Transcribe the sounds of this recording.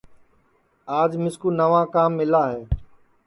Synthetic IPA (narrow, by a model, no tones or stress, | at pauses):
aːd͡ʒmɪskuːnəʋãːkaːmːɪlaːɦeː